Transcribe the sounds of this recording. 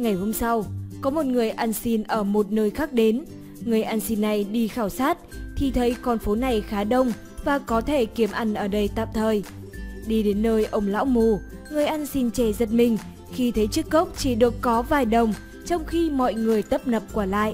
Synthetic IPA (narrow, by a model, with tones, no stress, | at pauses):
ŋa˨˩jho˧msa˧wkɔ˨˦mo˨˩t̚ŋɨ˨˩əjʔa˧nsi˧nʔəː˧˩mo˨˩t̚nəː˧jxaː˦˥k̚ɗe˨˦n | ŋɨ˨˩əjʔaː˧nsi˧nːa˨˩jɗi˧xaː˧˩wsaː˦˥t̚t̪ʰi˨˩t̪ʰə˨˦jkɔ˨˩nfo˨˦na˨˩jxaː˨˦ɗə˧wŋ͡m | vaː˨˩kɔ˨˦t̪ʰe˧˩ki˨˦əmʔa˧˩jŋ̟ʔəː˧˩ɗə˧jt̪a̰ː˧˨mt̪ʰəː˨˩j | ɗi˧ɗe˨˦nːəː˧jʔə˧wŋ͡mla̰ː˧˥wmu˧˨ | ŋɨ˨˩əjʔa˧nsi˧nt͡ɕɛ˧˩zə˨˩t̚mï˨˩ŋ̟ | xi˧t̪ʰə˨˦jt͡ɕɨ˦˥kːə˦˥wk͡p̚t͡ɕi˧˩ɗɨ˨˩əkːɔ˨˦vaː˨˩jɗə˨˩wŋ͡m | t͡ɕɔ˧wŋ͡mxi˧mɔ̰˧˨jŋɨ˨˩əjt̪ə˦˥p̚nə˨˩p̚kwaː˧˩la̰ː˧˨jʔ